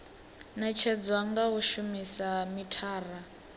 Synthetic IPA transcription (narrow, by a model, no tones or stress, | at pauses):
nat͡ʃʰɛd͡zwaŋɡaɦuʃumisamitʰaːra